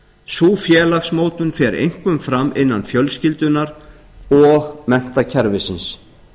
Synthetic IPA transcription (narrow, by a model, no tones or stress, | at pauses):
suːfjɛːlaxsmoːwt̪ʏnfɛɾḛjŋ̥kvʏmfɾamːɪnːanfjœlscɪlt̪ʏnaɾ | ɔɣmɛn̥t̪acʰɛɾvɪsɪns